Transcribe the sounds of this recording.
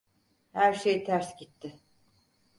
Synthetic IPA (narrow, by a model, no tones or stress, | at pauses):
hæɾʃejt̪ʰæɾsɟit̪ʰːɪ